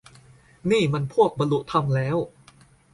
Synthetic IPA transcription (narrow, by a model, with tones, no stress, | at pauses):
niː˥˩ma˧npʰu˥˩ək̚ba˧nlu˨˩t̪ʰa˧mlɛː˦˥w